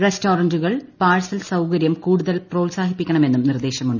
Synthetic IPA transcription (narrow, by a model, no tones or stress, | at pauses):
restoːrɐnd͡ʑuɣɐɭpaːɻsɐlsɐwkɐɾjɐmkuːɽuðɐlpro̞ːlsaːhipːikʲːɐɳɐme̞nːumnird̪eːɕɐmuɳɖɨ